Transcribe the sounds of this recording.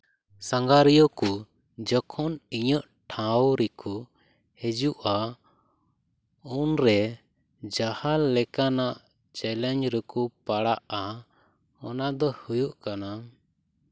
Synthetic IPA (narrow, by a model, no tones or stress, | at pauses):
saŋɡaɾijɔku | d͡ʒɔkʰɔniɲəʔ | ʈʰãwɾɛkʰu | hɛd͡ʒuʔa | unɾɛ | d͡ʒahalɛkanaʔ | t͡ʃɛlɛɲd͡ʒɾɛkupaɽaʔa | ɔnad̪ɔhujuʔkana